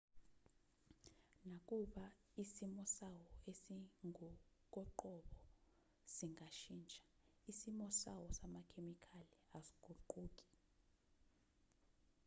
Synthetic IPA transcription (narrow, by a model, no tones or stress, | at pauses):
nak̬ʼuɓa | isimɔsawɔesiŋʱɔk̬ʼɔǃɔɓɔ | siŋʱaʃiːnt͡ʃʼḁ | isimɔsawɔsamakʰemikʰaliasi̥ɡ̥ʱuǃuːk̬ʼi̥